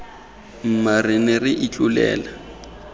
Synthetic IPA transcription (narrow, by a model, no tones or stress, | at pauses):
m̩marɪnɪrɪʔit͡ɬʼulɛ̰ːla